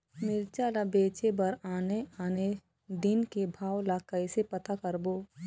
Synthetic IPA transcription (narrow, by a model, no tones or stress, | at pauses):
mɪɾt͡ʃaːlabeːt͡ʃebɐɾaːneaːne | d̪ɪnkebʱaːwlakəɪsepɐt̪akəɾboː